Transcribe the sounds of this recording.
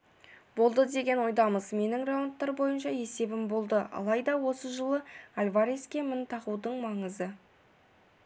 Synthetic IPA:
bo̞lˠd̪əd̪e̞ɡʲe̞nwo̞jd̪ɑməzme̞nɪŋraont̪ːɑɾbo̞jənʃɑe̞se̞bɪmbo̞lˠd̪əɑ̰lˠɑjd̪ɑwo̞səʒəlˠəalʲvaɾeskʲe̞mɪnt̪ʰɑʁud̪əɴmɑɴəzə

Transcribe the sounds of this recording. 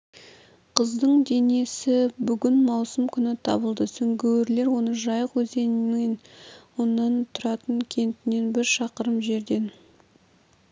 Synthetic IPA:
qʰəzd̪əɴd̪e̞ne̞sɪbʏɡʲɪnmɑwsəmkʲʰʏnɪt̪ʰɑ̰bəlˠd̪əsʏŋɡʲeweɾle̞ɾwo̞nəʒɑjəqwɵze̞nɪmenwonːɑnt̪ʰʊɾɑt̪əɴkʲʰe̞nt̪ɪne̞nbɪɾʃɑqəɾəmʒe̞ɾd̪e̞n

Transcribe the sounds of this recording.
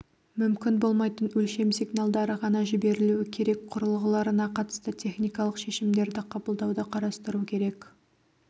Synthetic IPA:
mʏmkʲɪnbo̞lˠmɑjt̪ənwɵlʃe̞msiɡnalˠd̪ɑɾəʁɑnɑʒɪbe̞ɾɪluwɪkʲʰe̞ɾe̞kqʰʊɾəlˠʁəlˠɑɾənɑqʰɑt̪ə̥st̪ət̪ʲʰe̞χnʲijkɑlˠəqʃe̞ʃɪmd̪e̞ɾd̪ɪqʰɑbəlˠd̪ɑwd̪əqʰɑɾɑst̪əɾukʲʰe̞ɾe̞k

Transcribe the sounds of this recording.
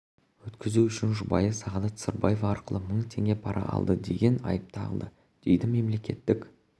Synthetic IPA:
wɵt̪kʲɪzuʏʃɪnʒʊbɑjəsɑʁɑlˠət̪səɾbɑjevɑɑɾqəlˠəməɴt̪ʰe̞ŋɡʲe̞pʰɑɾʔɑ̰ʔɑ̰lˠd̪əd̪e̞̰ɡʲe̞nɑ̰jəp̚t̪ʰɑɑ̰lˠd̪ə | d̪̥e̞jd̪ɪme̞mle̞kʲe̞t̪ːɪkʲ

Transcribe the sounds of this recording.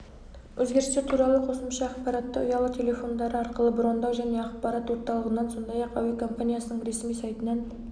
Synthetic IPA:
wʔɵzɡʲe̞ɾɪst̪eɾt̪ʰuɾɑlˠəqʰo̞səmʃɑɑqpɑɾɑt̪ːəʊ̰jɑlˠət̪ʲʰe̞le̞fo̞nd̪ɑɾəɑɾqəlˠəbɾo̞nd̪ɑwʒæne̞ɑq̚pɑɾɑt̪wo̞ɾt̪ɑlˠəʁənːɑnso̞nd̪ɑjɑqɑ̰wikʰo̞mpanʲijasənəɴɾe̞smijsɑjt̪ənɑn

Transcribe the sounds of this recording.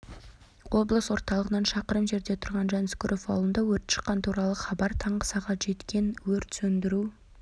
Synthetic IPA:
wo̞blˠəswo̞ɾt̪ɑlˠəʁənɑnʃɑqəɾəmʒe̞ɾd̪e̞t̪ʰʊɾʁɑnʒɑnskʊɾʔofɑ̰wlˠənd̪ɑwɵɾt̪ʃə̥qːɑnt̪ʰuɾɑlˠəχɑbɑɾt̪ʰɑɴʁəsɑʁɑt̪ʒ̥e̞t̪kʲʰe̞nwɵɾt̪sɵnd̪ɪɾu

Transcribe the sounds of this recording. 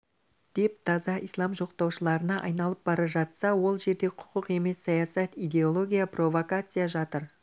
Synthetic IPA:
d̪̥e̞p̚t̪ʰɑzɑʔijslˠɑmʒo̞qt̪ɑwʃəlˠɑɾənɑʔɑjnɑlˠəp̚bɑɾɑʒɑt̪sɑwo̞lˠʒe̞ɾd̪e̞qʰʊ̥qəqe̞me̞sːɑjasɑt̪ijd̪e̞o̞lˠo̞ɡʲijapro̞vokat̪sɨjaʒɑt̪əɾ

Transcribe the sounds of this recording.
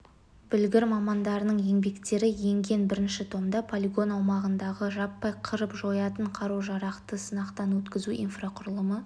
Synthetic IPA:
b̥ʏlɡʲɪɾmɑmɑnd̪ɑɾənəɴje̞ŋbe̞kt̪e̞ɾɪje̞ŋɡʲe̞nbɪɾɪnʃɪt̪ʰo̞md̪ɑpʰolʲiɡo̞nɑwmɑʁənd̪ɑʁəʒɑpːɑjqʰəɾəpʒo̞jɑt̪əɴqʰɑɾuʒɑɾɑqt̪əsənɑqt̪ɑnwɵt̪kʲɪzuʔḭnfraqʰʊɾlˠəmə

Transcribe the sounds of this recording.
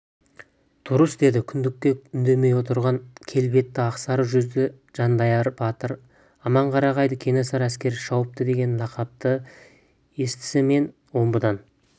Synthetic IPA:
d̪̥ʊɾəsd̪e̞d̪ɪkʲʰʏnd̪ɪkʲːe̞ʏnd̪e̞me̞jwo̞t̪əɾʁɑŋkʲʰe̞lbe̞t̪ːɪɑqsɑɾəʒʏzd̪ɪ | ʒ̥ɑnd̪ɑjɑɾbɑt̪əɾ | ɑmɑɴqʰɑɾɑʁɑjd̪əkʲʰe̞nesɑɾæskʲe̞ɾɪʃɑwəp̚t̪əd̪e̞ɡʲe̞nlˠɑqɑp̚t̪ə | e̞st̪ɪ̥sɪme̞n | wo̞mbəd̪ɑn

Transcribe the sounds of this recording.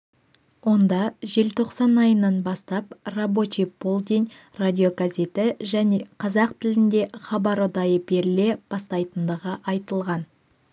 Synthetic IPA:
wo̞nd̪ɑʒe̞lt̪ʰo̞qsɑnɑjənɑnbɑst̪ɑp̚rabo̞t͡ʃibolˠd̪ʲin | rad̪ʲio̞ɡazʲe̞t̪ɪʒæne̞qʰɑzɑq̚t̪ʰɪlɪnd̪e̞χɑbɑɾod̪ɑjəbe̞ɾɪle̞b̥ɑst̪ɑjt̪ənd̪əʁəʔɑjt̪əlˠʁɑn

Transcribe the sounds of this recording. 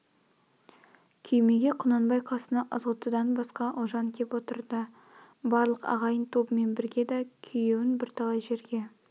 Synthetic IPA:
kʲʰʏjme̞ɡʲe̞qʰʊnɑnbɑjqʰɑsənɑʔəzəlˠt̪əd̪ɑnbɑsqɑʔʊʒɑŋkʲʰe̞pwo̞t̪ə̰ɾd̪ə | bɑɾlˠəqɑ̰ʁɑjənt̪ʰo̞pəme̞nbɪɾɡʲe̞d̪ɑkʲʰʏjewɪnbɪɾt̪ʰɑlˠɑjʒe̞ɾɡʲe̞

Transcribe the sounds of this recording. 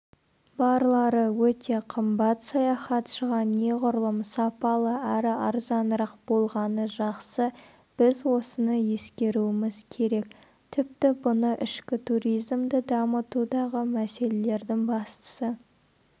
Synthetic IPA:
bɑɾlˠɑɾəwɵt̪ʰe̞qʰəmbɑt̪sɑjɑχɑt̪ʃəʁɑnːe̞ʁʊɾəlˠəmsɑpɑlˠəæɾɪɑɾzɑnəɾɑq̚b̥o̞lˠʁɑnəʒɑqsə | b̥ɪzwo̞sənəje̞skʲe̞ɾuɪmɪzkʲʰe̞ɾe̞k̚ | t̪ʰɪp̚t̪ɪbʊnəʔɪʃkʲɪt̪ʰuɾijzmd̪əd̪ɑmət̪ud̪ɑʁəmæse̞le̞le̞ɾd̪ɪŋbɑst̪ə̥sə

